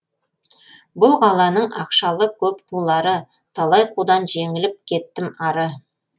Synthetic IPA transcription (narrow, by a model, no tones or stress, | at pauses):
bʊlˠʁɑlˠɑnəɴɑ̰qʃɑlˠəkʲʰɵp̚qʰulˠɑɾə | t̪ʰɑlˠɑjqʰud̪ɑnʒe̞ŋɪlɪp̚kʲʰe̞t̪ːɪmɑɾə